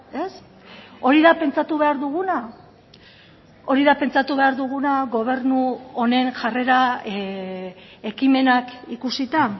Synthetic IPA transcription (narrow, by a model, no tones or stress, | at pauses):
e̞s | o̞ɾiðape̞nt͡sat̪uβe̞aɾðuɣuna | o̞ɾiðape̞nt͡sat̪uβe̞aɾðuɣ̞unaɣo̞β̞e̞ɾnuo̞ne̞nʝare̞ɾa | e̞kime̞nakikusit̪a